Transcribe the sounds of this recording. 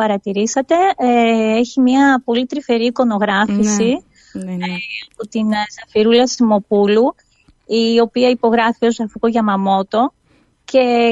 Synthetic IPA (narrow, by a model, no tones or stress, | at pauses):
pɐɾɐt̪iɾisɐt̪e̞ | eçimɲɐpo̞lit̪ɾife̞ɾiko̞no̞ɣɾɐfisi | ɐpot̪insɐfiɾulɐsimo̞pulu | io̞piɐipo̞ɣɾɐfio̞sɐfiɣoʝɐmɐmo̞t̪o̞ | ce̞